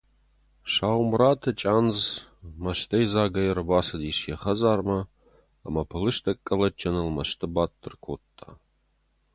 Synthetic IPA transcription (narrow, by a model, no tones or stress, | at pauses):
ʂaːwmraːtʰɐt͡ʃʼaːnzmɐʃt̪ʰɐjzaːɡɐjɛɾɨbaːsɐd̪iʂjɛχɐzaːrmɐ̰ː | mɐpʰɨlɨʃt̪ʰɐkʼːɐlɐt͡ʃʼɐnɨlmɐʃt̪ʰɨbaːtʼːɨrkʷʰoːttʼʰːa̰ː